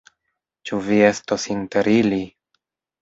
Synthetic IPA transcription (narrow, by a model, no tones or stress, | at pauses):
t͡ʃuvie̞stosinte̞ɾili